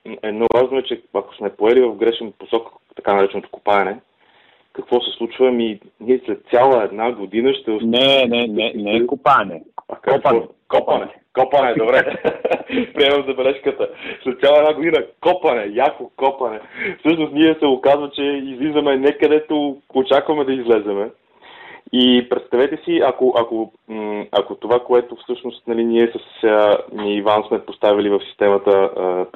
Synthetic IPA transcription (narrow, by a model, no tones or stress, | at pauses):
ɛd̪nɔvaʒnoɛt͡ʃɛɐko̥smɛpoɛlivɐfɡɾɛʃɛnposɔk | t̪ɐkanɐɾɛt͡ʃɛnot̪o̥ko̥paɛnɛ | kɐkvɔsɛslˠut͡ʃvəmi | niɛslɛt̪̚sʲjalˠəɛd̪naɡod̪inəʃt̪ɛonɛnɛnɛnɛkopaɛnɛɐ̰kɔkɔkɔpɐnɛ | kɔpənɛd̪obɾɛ | pɾiɛmɐmzɐbɛlɛʃkət̪əslɛt̪sʲalˠəɛd̪naɡod̪inəkɔpɐnɛjakokɔpɐnɛfsɤʃnosniɛsɛokazvət͡ʃɛizlizvɐmɛnɛkɐd̪ɛt̪oot͡ʃakvɐmɛd̪ɐizlɛzɛmɛ | ipɾɛt̪st̪ɐvɛt̪ɛsiɐkoʔɐko | ɐkot̪ovakoɛt̪ofsɤʃnost̪nɐliniɛsɐsəniːvansmɛpost̪avilivɐfsi̥st̪ɛmɐt̪əə